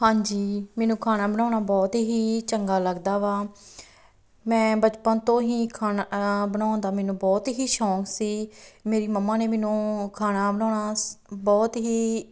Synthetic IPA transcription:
hãːɲd͡ʒiːmɛːnũːkʰaːnaːbəɽãːnaːbɔːt̪ɦiːt͡ʃəŋɡaːləɡd̪aːʋaː | mɛ̃ːbət͡ʃpənt̪õːɦiːkʰaːnːbənãːnd̪aːmɛːnũːbɔːt̪ɦiːʃɔːksiːmeːɾiːməmːaːneːmɛːnũːkʰaːnaːbəñãːɳaːbɔːt̪ɦiː

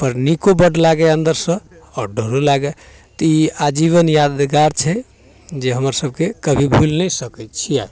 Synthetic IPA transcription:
pəɾnikobəɖlaɡɛənd̪əɾsə̃ | ɔɖʱəɾolaɡɛ | t̪iad͡ʒiβənjad̪ɡaɾt͡ʃʰɛ | d͡ʒeɦəməɾsəb̚kekəbʱibʱulnəsəkɛt̪t͡ʃʰiaj

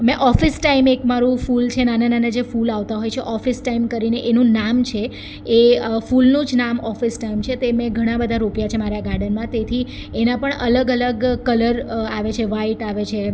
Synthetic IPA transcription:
mɛ̃ʔɔfisʈaimekmaɾũfult͡ʃʰenanananad͡ʒefulaʋt̪aɦojt͡ʃʰeʔɔfisʈaimkəɾineʔenũnamt͡ʃʰe | eəfulnũd͡ʒnamɔfisʈaimt͡ʃʰet̪emẽɡʱəɽ̃ãbəd̪ʱaɾupjat͡ʃʰemaɾjaɡaɾɖənmãt̪et̪ʰi | enãpəɳələɡələɡkələɾaʋet͡ʃʰeʋaiʈaʋet͡ʃʰe

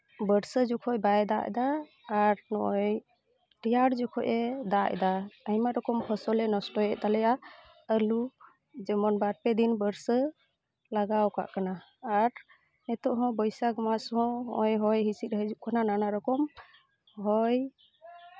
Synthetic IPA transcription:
bəɾsəd͡ʒɔkʰɔjbajɛd̪aʔd̪aː | ɾnɔʔɔj | ʈijaɖd͡ʒɔkʰɔʔɛd̪aʔd̪aajmaɾɔkɔmpʰɔsɔlɛnɔsʈɔɛt̪alɛja | əlu | d͡ʒɛmɔnbaɾpɛd̪inbəɾsə | laɡawka̰ʔkanaː | ɾ | nɛt̪ɔʔɦɔ̃bɔjsaɡɔmasɦɔ̃ʔɔjɦɔjɦisit̪ɾəɦɛd͡ʒuʔkanananaɾɔkɔm | ɦɔj

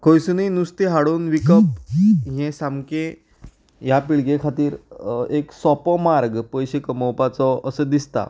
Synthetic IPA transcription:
kʰəjsuninust̪eɦaɽuːnʋikəpɦẽsamkẽ | japiɭɡekʰat̪iːɾeksɔpɔmaɾɡpəjɕekəməwpat͡sɔəsəd̪ist̪a̰

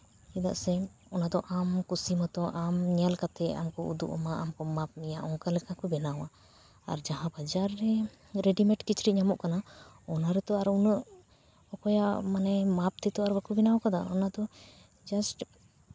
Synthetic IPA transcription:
ɛd̪a̰ʔsɛɔnad̪ɔʔamkusimat̪ɔʔamɲalkat̪ɛa̰mkɔṵd̪uʔɔ̰maʔamkɔmap̚mijaʔɔŋkalɛkakubɛnawa | a̰ɾd͡ʒaɦãbad͡ʒaɾːɛ | ɾeɖimɛʈkit͡ʃɾiʔɲamɔʔkana | ɔnaɾɛt̪ɔaɾunəʔ | ɔkɔjaʔmanɛmap̚t̪ɛt̪ɔaɾbəkubɛnawkad̪aɔnad̪ɔ | d͡ʒasʈ

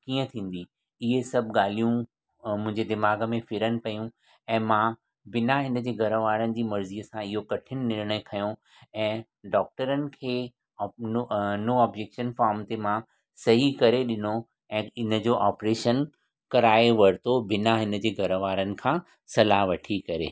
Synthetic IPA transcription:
kiːə̃t̪ʰĩːn̆d̪i | ɪɦesɐbʱɠaːl̤ijũ | mʊ̃ɦɪ̃ɲd͡ʑed̪ɪmaːɡəmẽfɪɾənɪ̆pɐjũ | ɛ̃ːmã | bɪnaɦɪnə̆d͡ʑeːɡʱɐɾəʋaːɾənɪ̆d͡ʑiːmɐɾziːəsãɪɦokɐʈʰɪnɪ̆nɪɾɽ̃əekʰɐjũ | ɛ̃ː | ɖɔːk̚ʈəɾənɪ̆kʰeː | noɔːbd͡ʑeːkʃənfaːɾmt̪emã | sɐɦikɐɾeɗɪno | ɛ̃ːɪnə̆d͡ʑoːʔaːpɾeːʃən | kɐɾaːeʋɐɾt̪obɪnaɦɪnə̆d͡ʑeːɡʱɐɾəʋaːɾənɪ̆kʰãː | sɐlaɦʋɐʈʰikɐɾḛː

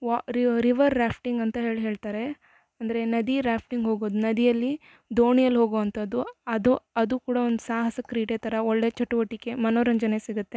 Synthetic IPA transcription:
ɾiɾiʋɐɾːaːpʰʈiŋɡɐnt̪ɐɦe̞ːɭɦeːɭt̪aːɾe̞ | ɐnd̪ɐɾe̞nɐd̪iɾaːpʰʈiŋɡɦoːɡoːd̪unɐd̪ijɐlːi | d̪oːɳijɐlːɦo̞ːɡoʋɐnt̪ʰɐd̪ːuɐd̪uɐd̪ukuːɽɐond̪usaːɦɐsɐkɾiːʈet̪ʰɐɾɐoɭːe̞t͡ʃɐʈuʋɐʈːike̞mɐnoːɾɐɲd͡ʒɐnesiɡut̪ːe

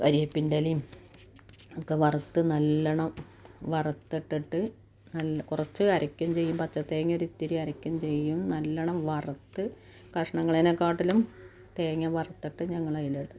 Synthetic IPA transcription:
ɐɾijɐpːindɐlim | okːeʋɐrɐt̪ːɨnɐlːɐɳɐm | ʋɐrɐt̪ːiʈːiʈːɨ | nɐlːkurɐt͡ɕːɨɐɾɐkʲːumt͡ɕe̞jːumpɐt͡ɕːɐt̪ːeːŋːɐoɾit̪ːiɾiɐɾɐkʲːumt͡ɕe̞jːumnɐlːɐɳɐmʋɐrɐt̪ːɨ | kɐʂɐɳɐŋːɐɭinekːaːʈːilum | t̪eːŋːɐʋɐrɐt̪ːiʈːɨɲɐŋːɐɭɐjiliɽɨ

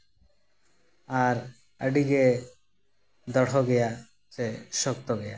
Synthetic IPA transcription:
aɾ | a̰ɖiɡe | d̪ɔɽʰoɡɛja | seʃɔk̚t̪oɡɛja

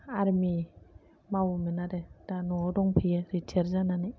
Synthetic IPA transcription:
aɾmi | mawminaɾed̥anɔɔdɔŋpʰieɾitʰeɾzanani

